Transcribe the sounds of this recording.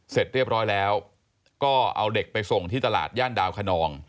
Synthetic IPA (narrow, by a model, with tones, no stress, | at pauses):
se˨˩t̪̚ɾi˥˩əp̚ɾɔː˦˥jlɛː˦˥w | kɔː˥˩ʔa̰˧wde˨˩k̚pa˧jso˨˩ŋt̪ʰiː˥˩t̪a˧la̰ː˨˩t̪̚jaː˥˩ndaː˧wkʰa˧nɔː˧ŋ